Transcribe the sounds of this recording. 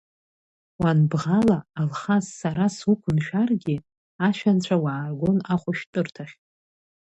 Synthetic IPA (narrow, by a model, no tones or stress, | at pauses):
wanbʁalaːlχasːaɾasukʷʰʊnʃᶣarɡʲi | aʃᶣant͡ɕʷʰawaːrɡʷo̞naχʷʼʊʃtʼɨrtʰaχʲ